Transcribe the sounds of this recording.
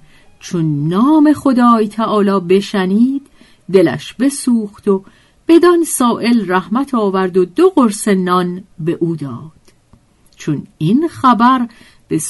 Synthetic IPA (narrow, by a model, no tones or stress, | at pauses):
t͡ʃʰonːɒːme̞χo̞d̪ɒːjt̪ʰæʔɒːlɒːbe̞ʃæniːd̪ː | e̞læ̰ʃbe̞suːxt̪o̞ | b̥e̞d̪ɒnsɒːʔe̞lræhmæt̪ʰɒːvæɾd̪o̞d̪oɣoɾse̞nɒnbe̞ʔuːd̪ɒːd̪̥ | t͡ʃʰoninxæbæɾ | b̥e̞s